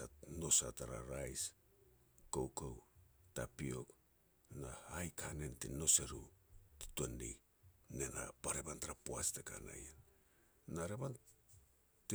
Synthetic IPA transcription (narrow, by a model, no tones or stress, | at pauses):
ano̞sataɾa̰ɾajs | kowkowtapio̞k | nahajkʰanentḭno̞seɾuti̥tondḭ | ne̞na̰paɾe̞bantaɾapoasteka̰na̰jen | naɾeban | ti